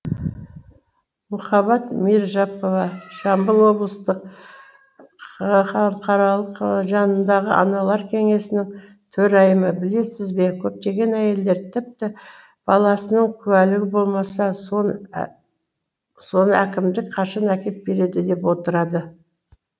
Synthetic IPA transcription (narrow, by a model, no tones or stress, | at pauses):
muχɑβɑt̪miɾʒɑpːovɑʃɑmbəlˠwo̞blˠəst̪əq̚ | χɑqɑɾɑlˠəqʒɑnənd̪ɑʁə̰ʔɑ̰nɑlˠɑɾkʲʰe̞ŋe̞sɪnɪŋ | t̪ʰɵɾɑjəməbɪle̞sɪzbe̞kʲʰɵp̚t̪e̞ɡʲe̞næje̞ld̪e̞ɾt̪ʰɪp̚t̪ɪ | b̥ɑlˠɑsənəɴkʲʰʉwælɪɡʲɪbo̞lˠmɑsɑ | so̞nəækʲɪmd̪ɪkqʰɑʃɑnækʲe̞t̪̚be̞ɾe̞d̪ɪd̪e̞pwo̞t̪əɾɑd̪ə